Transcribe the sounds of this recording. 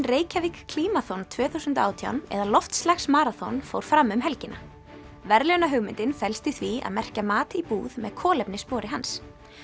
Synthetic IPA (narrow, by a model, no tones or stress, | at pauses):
nreːjcavikkʰl̥iːmaθɔnt̪ʰvœːθusʏnt̪a̰ːwt̪ʰja̰wnɛ̰ðalɔft̪st̪laxsmaːɾaθɔnfo̰wɾ̥fɾamːʏmɦɛlcɪnʔa | vɛɾlœwnaɦœɣmɪnt̪ɪnfɛlst̪ɪθvia̰ðmɛr̥camaːt̪ɪipuːðmɛðkʰɔːlɛpnɪspɔːɾɪɦans